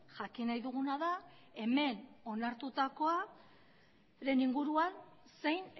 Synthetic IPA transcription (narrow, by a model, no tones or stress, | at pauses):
ʝakinajðuɣ̞unaðae̞me̞no̞naɾt̪ut̪ako̞a | ɾe̞niŋɡuɾuanse̞jn